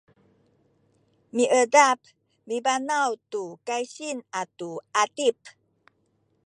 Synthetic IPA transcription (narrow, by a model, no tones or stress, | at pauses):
miʔədap | mibanawtukajɕinatuatip